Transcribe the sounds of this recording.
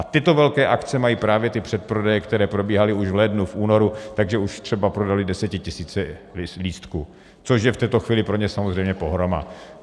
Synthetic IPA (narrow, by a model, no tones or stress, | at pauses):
ʔat̪ɪt̪ovɛlkɛːʔakt͡sɛmajiːpɾaːvjɛt̪ɪpr̝̥ɛt̪̚pɾodɛjɛkt̪ɛɾɛːpɾo̞biːɦalɪuʒvlɛdnufʔuːno̞ɾut̪aɡʒɛuʃt̪r̥ɛbapɾo̞dalɪdɛsɛcɪcɪsiːt͡sɛliːst̪ku | t͡so̞ʃjɛft̪ɛːt̪o̞xviːlɪpɾo̞ɲɛsamozrɛjmɲɛpoɦɾoma̰